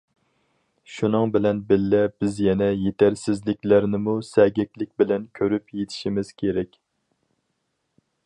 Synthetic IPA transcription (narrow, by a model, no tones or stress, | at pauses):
ʃunɨŋbɪlɛnbɪlːɛb̥ɪzjɛnɛjet̪ʰæɾsɪzlɪkʲlæɾnɪmusɛɡʲɛkʲlɪk̚ʲbɪlɛnkʲʰøɾypjet̪ʰɪ̥ʃimɪz̥kʲʰeɾɛkʲ